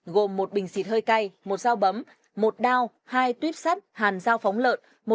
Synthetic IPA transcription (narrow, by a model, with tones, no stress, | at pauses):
ɣo˨˩mːo˨˩t̚ɓï˨˩ŋ̟si˨˩t̚həː˧jka˧jmo˨˩t̚zaː˧wɓə˨˦m | mo˨˩t̚ɗaː˧w | haː˧jt̪wi˦˥əp̚saː˦˥t̚haː˨˩nzaː˧wfɔ˨˦wŋ͡mlə̰ː˧˨n | mo˨˩